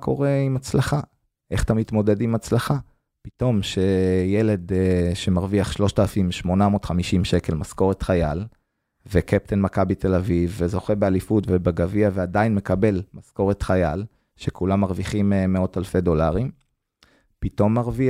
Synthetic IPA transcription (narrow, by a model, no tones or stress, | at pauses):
kʰo̞ʁe̞imat͡slaχa | ʔe̞χḁt̪amit̪mo̞de̞dimat͡slaχa | pi̥to̞mʃejele̞dʃemaʁviaχʃlo̞ʃtalafimʃmo̞namotχamiʃimʃeke̞lmasko̞ʁet̪χajal | vekʰep̚t̪ʰenmakabitʰe̞lavivːezo̞χebealifutvebeɡaviaveadainme̞kabe̞lmasko̞ʁet̪χajal | ʃekʰulamːaʁviχimemeo̞talfe̞do̞laʁim | pito̞mːaʁvi